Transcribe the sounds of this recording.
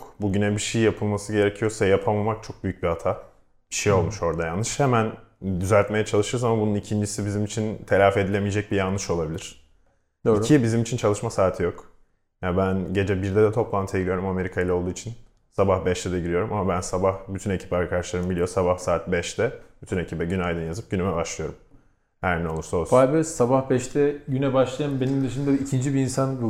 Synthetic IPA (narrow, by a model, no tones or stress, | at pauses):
kbuɟynɛbiʃejjapʰɯlˠmasɯɟe̞ɾecʰijo̞sajapʰamamak̚t͡ʃʰo̞k̚byjyc̚bihat̪ʰa | b̥iʃejo̞lˠmuʃo̞ɾd̪ajanːɯʃhemænd̪yzælʲt̪me̞jɛt͡ʃʰalˠɯʃɯɾzamabununicʰind͡ʒisibizimit͡ʃʰint̪ʰe̞lʲaːfe̞d̪ilʲemije̞d͡ʒɛc̚bijanːɯʃo̞lˠabilʲiɾ̥ | d̪icʰibizimit͡ʃʰint͡ʃʰalˠɯʃmasaːt̪ʰijo̞k | jabænɟe̞d͡ʒɛbiɾd̪ɛd̪ɛt̪ʰo̞plˠant̪ʰɯɟilʲjo̞ɾumame̞ɾikʰajilʲˠao̞lˠd̪uːit͡ʃʰin | sabahbɛʃt̪ʰɛd̪ɛɟiɾijo̞ɾumamabænsabahbyt̪ʰyne̞cʰi̥paɾkʰadaʃlˠaɾɯnɯbilʲijosabahsaːt̪̚bɛʃt̪ʰɛb̥yt̪ʰyne̞cʰibɛɟynajd̪ɯnjazɯp̚ɟynymɛbaʃlˠɯjo̞ɾum | hæɾnɛolˠuɾsolˠfabɯsabahbɛʃt̪ʰɛɟynɛbaʃlˠajɯmbe̞nimd̪ɯʃɯnd̪aicʰind͡ʒibiːnsanɾu